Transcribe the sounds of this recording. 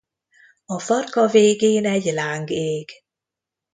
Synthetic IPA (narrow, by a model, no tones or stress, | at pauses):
ɒfɒrkɒveːɡeːnɛɟlaːŋɡeːɡ̥